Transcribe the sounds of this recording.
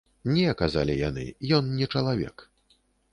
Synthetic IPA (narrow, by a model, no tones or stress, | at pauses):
nʲɛkaza̰lʲija̰nɨ̰jɔnnʲɛt͡ʂɐlˠavʲɛ̰k